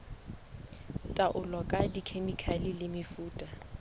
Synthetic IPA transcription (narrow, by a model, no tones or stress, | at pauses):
tʼaʔʊlɔkʼadikʰemikʰalɪlɪmɪfuːtʼa